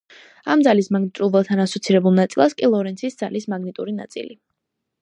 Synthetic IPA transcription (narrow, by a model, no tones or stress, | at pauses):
amd̪zalismaɡnit̪ʼuvɛlˠt̪ʰanasɔt̪sʰiɾɛbulˠnat̪sʼilˠaskʼilˠɔɾɛnt̪sʰisd̪zalismaɡnit̪ʼuɾina̰t̪sʼḭli